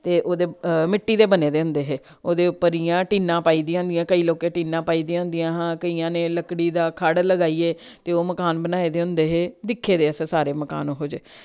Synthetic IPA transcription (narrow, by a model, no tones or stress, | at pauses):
t̪eːʔoːd̪eːmɪʈːiːd̪eːbəneːd̪eːʊ̃nd̪eːɦeː | oːd̪eːʊpːəɾiːjãːʈiːnãːpaːiːd̪ĩãːʊnd̪ijãːkəiːloːkẽːʈiːnãːpaːiːd̪ijãːɦʊ̃nd̪ijãːɦãːkəiːãːneːləkɽiːd̪aːkʰaɽləɡaːiːeːt̪eːoːməkaːnbənaːeːd̪eːʊ̃nd̪eːɦeːd̪ɪkʰːeːd̪eːəssaːɾeːməka̰ːnõːɦoːd͡ʒeː